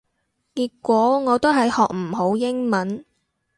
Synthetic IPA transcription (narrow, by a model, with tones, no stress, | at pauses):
kiː˧kːʷɔː˨˥ŋɔː˨˧t̪o˥ɦɐ˨jhɔː˨k̚m̩˨˩ɦo˨˥wjɪ˥ŋmɐ˨˦˥n